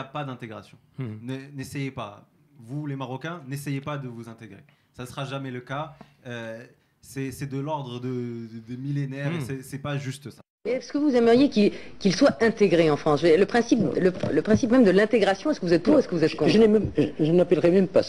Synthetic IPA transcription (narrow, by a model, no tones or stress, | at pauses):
apad̪ɛ̃t̪eɡʁasjɔ̃nənesɛjepavulemaʁɔkʲɛ̃nesɛjepad̪əvuzɛ̃t̪eɡʁe | sasəʁaʒamɛləkaø | sɛsɛd̪əlɔʁd̪ʁəd̪əd̪əmilenɛʁessɛsɛpaʒyst̪əsḁ | mɛsə̥kəvuzɛməʁjekikilswaɛ̃t̪eɡʁeɑ̃fχɑ̃sʒəd̪iʁləpχɛ̃siplələpχɛ̃sipmɛmd̪əlɛ̃t̪eɡʁasjɔ̃ɛskəvuzɛt̪̚buɛskəvuzɛt̪̚kɔ̃ʒənɛmɛmʒʒənmapɛlʁɛmɛmpas